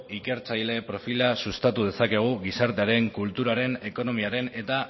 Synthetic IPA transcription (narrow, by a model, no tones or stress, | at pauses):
ike̞ɾt͡sajle̞pɾo̞filasust̪at̪uðe̞sake̞ɣ̞uɣisaɾt̪e̞aɾe̞ŋkult̪uɾaɾe̞ne̞ko̞no̞miaɾe̞ne̞t̪a